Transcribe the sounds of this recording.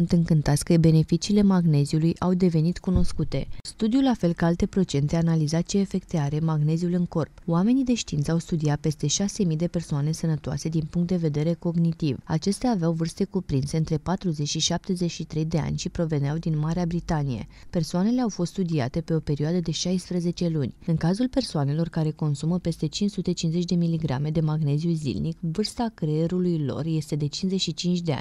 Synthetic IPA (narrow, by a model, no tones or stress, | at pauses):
unt̪ɨŋkɨnt̪at̪sʲkəbe̞ne̞fit͡ʃiːle̞maɡne̞ziulujʔawd̪e̞ve̞nit̪kuno̞skut̪e̞st̪ud̪julafe̞lkəalt̪e̞pɾo̞t͡ʃe̞nt̪eanalizat̪t͡ʃieːfe̞kt̪eaɾe̞maɡne̞ziulɨŋko̞rpwame̞nid̪e̞ʃt̪int̪səawst̪ud̪iat̪̚pe̞st̪e̞ʃase̞mijd̪e̞pe̞rsoane̞sənət̪oa̰se̞d̪inpuŋkt̪̚d̪e̞ve̞d̪e̞ɾe̞ko̞ɡnit̪iva̰t͡ʃe̞st̪eaːveawvɨrst̪e̞kupɾinseɨnt̪ɾe̞pat̪ɾuze̞t͡ʃʲʃiʃap̚t̪e̞ze̞t͡ʃʃit̪ɾe̞jd̪e̞a̰nʲʃipɾo̞ve̞neawd̪inmaɾeabɾit̪anije̞̰ | pe̞rsoane̞le̞awfo̞st̪st̪ud̪iat̪e̞pe̞o̞pe̞ɾioad̪əd̪e̞ʃajspɾeze̞t͡ʃe̞lunʲɨŋkazulpe̞rsoane̞lo̞rkaɾe̞ko̞nsuməpe̞st̪e̞t͡ʃinsut̪e̞t͡ʃinze̞t͡ʃʲd̪e̞miliɡɾame̞d̪e̞maɡne̞ziuzḭlnikvɨrst̪akɾeeɾulujlo̞̰rje̞st̪e̞d̪e̞t͡ʃinze̞t͡ʃʲʃit͡ʃint͡ʃʲd̪e̞a̰nʲ